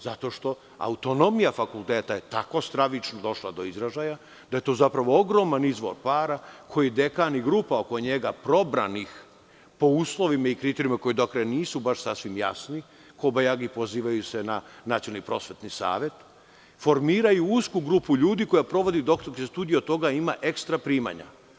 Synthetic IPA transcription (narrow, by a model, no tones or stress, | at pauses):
zat̪o̞ʃt̪o̞ | a̰ut̪o̞no̞mijafakulˠt̪eːt̪ajet̪ako̞st̪ɾaʋit͡ʃnod̪o̞ʃlˠad̪o̞izɾaʒaja | d̪aje̞t̪o̞ːzapɾaʋo̞o̞ɡɾo̞manizʋo̞̰ɾpaːɾakʰo̞jid̪ekaniɡɾuːpao̞ko̞ɲe̞ɡapɾo̞bɾa̰nix | po̞uːslˠo̞ʋimaikɾit̪eɾijimako̞jid̪okɾajaniːsubaʃsasʋimja̰sni | ko̞bajaɡipo̞ziːʋajusenanat̪siolnipɾo̞sʋe̞t̪nisa̰ːʋe̞t̪ | fo̞ɾmiːɾajuuskuɡɾuːpuʎuːd̪iko̞japɾo̞ʋo̞d̪id̪okt̪okest̪uːd̪ijeot̪ːo̞ɡaimaʔe̞kst̪ɾapɾiːma̰ɲa̰